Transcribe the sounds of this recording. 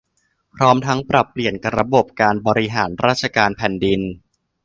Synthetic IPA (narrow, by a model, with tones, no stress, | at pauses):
pʰɾɔː˦˥mt̪ʰa˦˥ŋpɾa˨˩pːli˨˩ənka˧ɾa˧bo˨˩p̚kaː˧nbɔː˧ɾi˦˥ɦaː˩˦nɾaː˥˩t̪̚t͡ɕʰa˧kaː˧npʰɛ˨˩ndi˧n